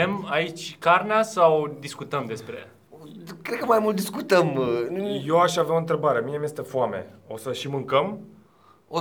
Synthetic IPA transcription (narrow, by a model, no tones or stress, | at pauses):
emait͡ʃʲkarneasawd̪iskut̪əmd̪e̞spɾe̞̰ | kɾed̪̚kəmajmult̪̚d̪iskut̪əmnujoaʃaveawoɨnt̪ɾe̞baɾe̞miemje̞st̪efuame̞̰o̞səʃimɨŋkəm | o